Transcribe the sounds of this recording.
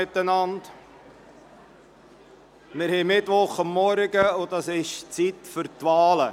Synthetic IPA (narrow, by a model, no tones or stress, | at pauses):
ɪt̪ːənɑnd | mɪɾhɛɪmɪt̪ʋʊχɑmːɔɾɡ̥əʊd̥ɑsɪʃt͡sit̪fʏɾtʋɑːlə